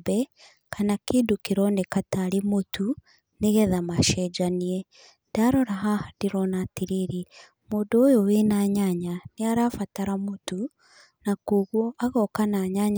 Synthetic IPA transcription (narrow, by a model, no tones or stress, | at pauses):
bɛ | kanakedukiɾɔnekataɾemotu | neɣɛðamaʃɛd͡ʒaniɛ | ndaɾɔɾaɦadiɾɔnatiɾiɾi | moːdoːjowenaɲaɲaneaɾaːfataɾamotu | nakoɣwɔʔaɣɔkanaɲaɲa